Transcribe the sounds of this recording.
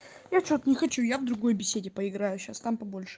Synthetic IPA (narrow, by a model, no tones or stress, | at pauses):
jat͡ɕo̞t̪nʲɪxɐt͡ɕujavd̪ɾʊɡo̞jbʲɪsʲedʲɪpəɪɡɾajʊɕast̪ampɐbo̞lʲʂɨ̥